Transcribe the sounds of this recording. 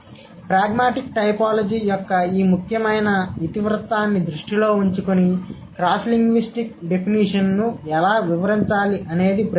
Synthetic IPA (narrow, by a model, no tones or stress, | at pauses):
pɾaːɡmaːʈik̚ʈɐjpaːlɐd͡ʒiːjɔkːɐiːmukʰjɐmɐjnɐʋit̪iʋɾɐt̪aːnːid̪ɾuʂʈilo̞ːuɲt͡ʃukuni | kɾaːsliŋɡʋisʈik̚ɖe̞pʰiniʂɐnnuɛlaːʋiʋɐɾiɲt͡ʃaːliʔɐne̞ːd̪ipɾ